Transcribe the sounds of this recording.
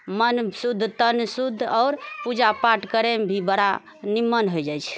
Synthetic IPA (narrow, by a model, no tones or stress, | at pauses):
mənsud̪ʱːt̪ənsud̪ʱːɔːɾpud͡ʒapaʈkəɾembʱibəɽa | nimːənɦojd͡ʒajt͡ʃʰ